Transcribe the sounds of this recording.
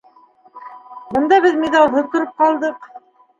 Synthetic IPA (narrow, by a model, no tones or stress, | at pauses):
bɤ̆nd̪ɑβɘðmʲid̪ɑlˠɦɤt̪ŏɾɤp̚qɑlˠd̪ɤq